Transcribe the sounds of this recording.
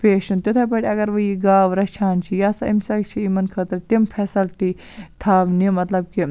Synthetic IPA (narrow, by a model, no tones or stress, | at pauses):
peːʃunt̪ot̪ʰɐpɐʈʲiɐɡɐɾʋɐjiɡaːʋɾɐt͡ʃʰaːnt͡ʃʰijasɐimsɐkt͡ʃʰiimɐnkʰɐt̪ɾɐt̪impʰɛsɐlʈi | t̪ʰaːʋnimɐt̪lɐb̚ki